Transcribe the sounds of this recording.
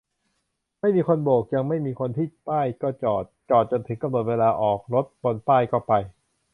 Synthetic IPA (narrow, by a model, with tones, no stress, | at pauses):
ma˥˩jmiː˧kʰo˧nboː˨˩k̚ja˧ŋma˥˩jmiː˧kʰo˧nt̪ʰiː˥˩paː˥˩jkɔː˥˩t͡ɕɔː˨˩t̪̚t͡ɕɔː˨˩t̪̚t͡ɕo˧nt̪ʰɯ˩˦ŋka˧mno˨˩t̪̚weː˧laː˧ʔɔː˨˩k̚ɾo˦˥t̪̚bo˧npaː˥˩jkɔː˥˩pa˧j